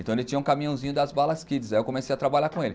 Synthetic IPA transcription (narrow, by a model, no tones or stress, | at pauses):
ẽnt̪ɐ̃elɪt͡ʃĩɲɐũkamĩɐ̃w̃zĩɲʊd̪ɐzbalɐskid͡ʒɪzaiewkõmesejɐt̪ɾabaʎaɾkõelɪ